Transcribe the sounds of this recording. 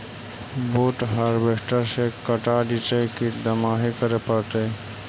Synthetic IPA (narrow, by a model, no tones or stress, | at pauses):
boːʈɦəɾbekʈəɾsekəʈaɖit͡ʃajkid̪əmaːɦikəɾepaːt̪e